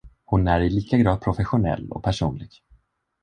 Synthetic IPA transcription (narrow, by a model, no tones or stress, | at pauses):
hʊnæɾɪliːkaɡɾɑːd̪̚pʰɾʊfɛɧʊnɛ̰lːɔ̰k̚pʰæʂṵːnlɪɡ̥